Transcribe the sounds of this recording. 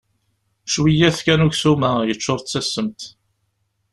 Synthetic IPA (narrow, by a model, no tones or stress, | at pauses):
ʃwijæθkænʊʝsumæjət͡ʃːoɾˤt͡sːæsːəmt̪